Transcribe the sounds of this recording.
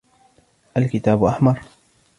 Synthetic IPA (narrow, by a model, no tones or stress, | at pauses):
ʔalkɪt̪aːbʔaħmɑɾˤ